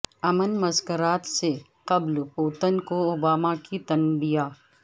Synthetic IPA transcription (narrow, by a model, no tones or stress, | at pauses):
ɐmənmɐzkəɾaːt̪se | qɐblpoːt̪ənkoobaːmakit̪ɐnbijaː